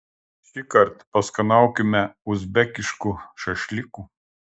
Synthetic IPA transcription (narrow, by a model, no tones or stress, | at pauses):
ʃʲɪkɐɾt̪pɐskɐnɑˑʊkʲɪmʲɛʊzʲbʲɛkʲɪʃkuʃɐʃʲlʲɪkuː